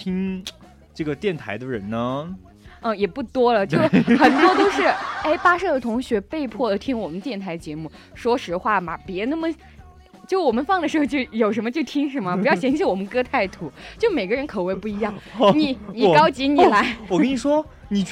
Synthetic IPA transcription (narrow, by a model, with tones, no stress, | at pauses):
t̪ʰi˥ŋ | ʈ͡ʂɤ˥˩ɡə˩t̪jɛ˥˩nt̪ʰa˧˥ɪd̪ə˧ɻə̰˧˥nnə˧ | ə˥˧jɛ˨˩pu˥˩t̪wɔ˥lə˨t͡ɕo˥˩ʊʊxə˨˩nt̪wɔ˥t̪o˥ʊʂɻ̩˥˩e˥˩ɪpa˥ʂɤ˥˩d̪ə˩t̪ʰʊ˧˥ŋɕɥɛ˧˥pe˥˧ɪpʰwɔ˥˩d̪ə˩t̪ʰi˥ŋwɔ˨˩mə˦nt̪jɛ˥˩nt̪ʰa˧˥ɪ˧t͡ɕjɛ˧˥mu˥˩ | ʂwɔ˥ʂɻ̩˧˥xwa˥˩ma˩pjɛ˧˥na˥˩mə˨ | t͡ɕjo˥˩ʊwɔ˨˩mə˦nfɑ˥˩ŋd̪ə˩ʂɻ̩˧˥xo˧t͡ɕo˥˩ʊjo˨˩ʊʂ̬ə˧˥nmə˧t͡ɕjo˥˩ʊt̪ʰi˥ŋʂ̬ə˧˥nmə˧pu˧˥jɑ˥˩ʊɕjɛ˧˥ŋ˥ɕʰji˥wɔ˨˩mə˧˦nkɤ˥t̪ʰa˥˩ɪt̪ʰu˧˥t͡ɕjo˥˩ʊme˨˩ɪɡə˦ɻə˧˥nkʰɤ˨˩we˥˧ɪpu˥˩i˧˥jɑ˥˩ŋni˨˧˥ni˨˩kɑ˥ʊt͡ɕi˧˥ni˨˩la˧˥ɪwɔ˨˩ə˥ni˨˩ʂwɔ˥ | ni˨˩